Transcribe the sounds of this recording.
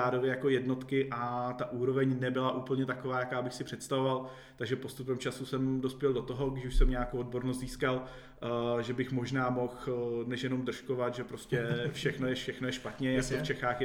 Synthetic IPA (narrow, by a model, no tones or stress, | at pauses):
aːdovjɛjakojɛdno̞t̪kɪʔat̪aʔuːɾovɛɲnɛbɪlaʔuːpl̩ɲɛt̪akovaːjakaːbɪxsɪpr̥ɛt̪st̪avo̞val | t̪aɡʒɛpost̪upɛmt͡ʃasusɛmdo̞spjɛldo̞t̪oɦoɡdɪʃuʃsɛmɲɛakowod̚bo̞ɾnost̪ziːskal | ʒɛbɪxmo̞ʒnaːmo̞xnɛʃjɛnomd̪r̩ʃko̞vat̪ʒɛpɾoscɛfʃɛxnojɛʃɛxnojɛʃpat̪ɲɛjakoft͡ʃɛxaːxjɛ